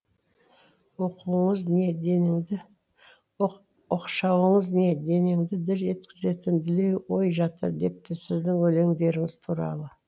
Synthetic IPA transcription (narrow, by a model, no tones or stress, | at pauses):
woquəɴəzne | ʊqʃɑwəɴəzne̞d̪e̞ne̞ŋd̪ɪd̪ɪɾe̞t̪kʲɪze̞t̪ɪnd̪ɪle̞jwojʒɑt̪ə̰ɾd̪e̞p̚t̪ɪsɪzd̪ɪŋɵle̞ŋd̪e̞ɾɪŋɪzt̪ʰuɾɑ̰lˠə